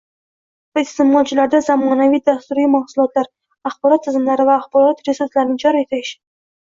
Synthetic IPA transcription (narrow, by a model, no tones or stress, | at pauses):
vaɪst̪ɪmɒlˠt͡ʃʰɪlaɾd̪azamɒnavijd̪ast̪uɾijmahsʊlˠɒt̪laɾ | aχbɒɾɒt̪ʰːɪzɪmlaɾɪvaːχbɒɾɒt̪ɾesuɾslaɾɪnɪd͡ʒɒɾet̪ʰaɪʃɪ